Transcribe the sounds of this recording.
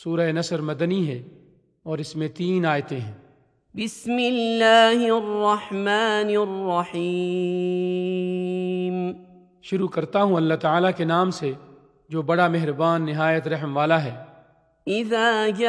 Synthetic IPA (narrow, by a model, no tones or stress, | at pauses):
suːɾəenɐsəɾmɐd̪niɦɛː | ɔːɾɪsmẽt̪iːnaːjt̪ẽɦɛ̃ː | bɪsmɪlːaːɦrːɑħmaːnrːɑħi | m | ʃʊɾukɐɾt̪aɦũɐlːaɦt̪aːlakenaːmse | d͡ʒoːbɐɽamɛɦɾbaːnːɪɦaːjət̪ɾɐɦmʋaːlaɦɛː | ʔɪðaːd͡ʒa